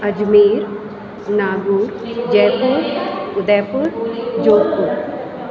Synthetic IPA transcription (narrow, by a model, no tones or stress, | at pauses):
ɐd͡ʒmiːɾ | naːɡuːɾd͡ʒɛːpuɾʊd̪ɛːpʊɾd͡ʒoːkuɾ